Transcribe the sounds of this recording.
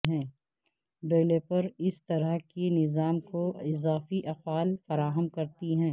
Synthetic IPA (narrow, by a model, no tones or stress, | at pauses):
ɦɛ̃ː | ɖeːlepɐɾɪst̪ɐɾəɦkenɪzaːmkoɪzaːfiʔɐqʋaːlfɐɾaːɦəmkɐɾt̪iɦɛ̃ː